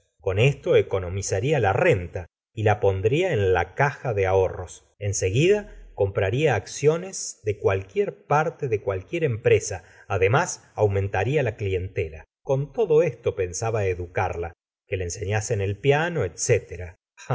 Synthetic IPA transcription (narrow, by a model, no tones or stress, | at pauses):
ko̞ne̞st̪o̞eko̞no̞misaɾialare̞nt̪a | ilapo̞nd̪ɾiaenlakaxaðeao̞ro̞s | e̞nse̞ɣiðako̞mpɾaɾiaːksjo̞nezðe̞kwalkjeɾpaɾt̪eðekwalkjeɾe̞mpɾe̞saː | ðe̞mas | awmẽ̞nt̪aɾialaklie̞nt̪ela̰ | ko̞nt̪o̞ðo̞est̪o̞pe̞nsaβaeðukaɾla | kelaense̞ɲasenelpjano̞et̪set̪eɾa | a